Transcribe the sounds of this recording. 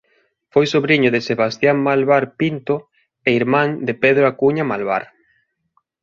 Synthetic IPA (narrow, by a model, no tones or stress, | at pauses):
fojsoβɾiɲʊðeseβast̪jaŋmalβaɾpint̪o | eiɾmãŋd̪epeðɾoakuɲamalβa̰ɾ